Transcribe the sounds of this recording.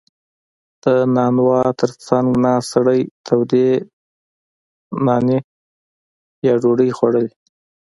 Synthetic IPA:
d̪̥ənɑnwɑt̪ʰəɾt͡saŋɡnɑsɽəjt̪ʰawd̪e | nɑne | jɑɖoɽəjxwaɽəle

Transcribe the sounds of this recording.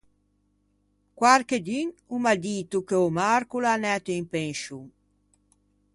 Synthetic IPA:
kwaɾked̪yŋumad̪it̪ukeomaɾkulanɛt̪eimpeŋʃuŋ

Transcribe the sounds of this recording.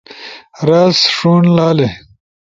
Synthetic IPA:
ɾasʂuːnlaːle

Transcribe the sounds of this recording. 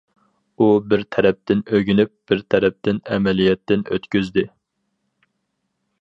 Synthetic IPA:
ubɪɾt̪ʰɛɾɛp̚t̪ɪnøɡʲynyp̚b̥ɪɾt̪ʰɛɾɛp̚t̪ɪnɛmɛlijɛt̪ːɪnø̰t̪kʲyzd̪ɪ

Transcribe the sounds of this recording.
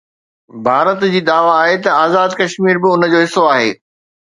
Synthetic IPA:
bʱaːɾət̪d͡ʑiːd̪aːʋaːɦet̪ɐaːzaːd̪kɐʃmiːɾbɪʊnə̆d͡ʑoːɦɪsoaːɦḛː

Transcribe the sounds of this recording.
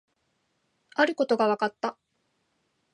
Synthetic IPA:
aɾɯ̟ko̞t̪o̞ɡaβakat̪ːa

